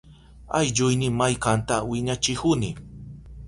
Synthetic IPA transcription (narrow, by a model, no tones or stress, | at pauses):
ajʎʊjnɪmajkant̪awɪɲat͡ʃɪkʊnɪ